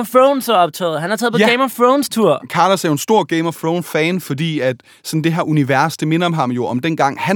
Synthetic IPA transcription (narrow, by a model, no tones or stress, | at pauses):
fʁoʊnsɒɒ̽b̥t͡sʰɛ̰ːð̩ˠɦænhɑ̈t͡sʰɛːð̩ˠpɒ̥eɪmɒfʁoʊnst͡sʰuɐ̰kʰɑ̈ːlɒsæɐjo̝e̝nsd̥o̝ɐ̰ɡ̥eɪmɒfʁoʊnfɛːnfɒ̽d̥ḭːæd̥ | sɒ̽n̩d̥e̝ɦæɐuniʋæɐsd̥e̝me̝nɐɒ̽mɦɑ̈mjo̝ɒ̽md̥en̰ɡ̥ɑ̈ŋ̰hæ